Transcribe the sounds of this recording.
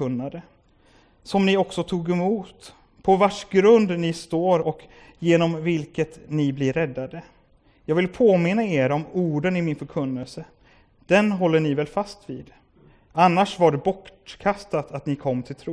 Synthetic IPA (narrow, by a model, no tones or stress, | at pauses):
ɵnːad̪ə | sɔmnɪɔksɔt̪ʰuːɡɛmuːt̪ | pʰɔvaʂɡɾɵnd̪nɪst̪oːɾɔk | jeːnɔmvɪlkət̪nɪblɪɾɛd̪ːad̪ə | jɑːɡvɪlpʰoːmɪnːaeːɾɔmuːɖənɪmɪnfœɾkʰɵnːəlsə | d̪̥ɛnɦɔlːəɳɪvɛlfast̪vḭːd̪ | anːaʂvaɖɛbɔʈkʰast̪at̪at̪nɪkʰɔmːt̪ʰɪlt̪ʰɾuː